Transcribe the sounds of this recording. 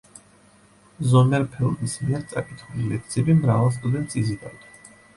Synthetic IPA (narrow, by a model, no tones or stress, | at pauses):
zɔmɛɾpʰɛlˠbismiɛɾt̪sʼakʼit̪ʰulilɛk̚ʰt̪sʰiɛbimɾavalˠs̬t̪ʼud̪ɛnt̪sʼizid̪a̰wd̪a